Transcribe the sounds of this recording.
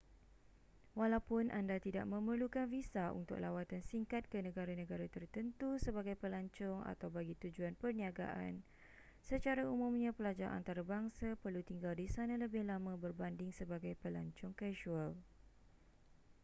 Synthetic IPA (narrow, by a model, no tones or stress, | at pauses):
walawpʊnʔandat̪ida̰ʔ̚mə̃mərlukanfisaṵnt̪ʊ̰k̚lʔawat̪ansiŋkat̪̚kənə̃ɡaɾanə̃ɡaɾat̪ərt̪ənt̪usəbaɡajpəlaɲt͡ʃʊŋa̰t̪awbaɡit̪ud͡ʒuanpərniaɡa̰ʔa̰n | sət͡ʃaɾaumũmɲãpəlad͡ʒaʔa̰nt̪aɾabaŋsapərlut̪iŋɡaldisanãləbɪhlamãbərbandɪŋsəbaɡajpəlaɲt͡ʃʊŋkaʃual